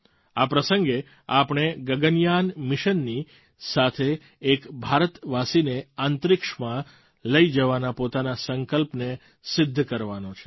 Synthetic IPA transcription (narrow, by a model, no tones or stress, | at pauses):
apɾəsəŋɡe | apɳ̃eɡəɡənjanmɪʃənːi | sat̪ʰeː | kbʱaɾət̪ʋasineant̪ɾɪkʂmã | ləid͡ʒəʋanapot̪anasəŋkəlpne | sɪd̪ʱːkəɾʋanot͡ʃʰe̥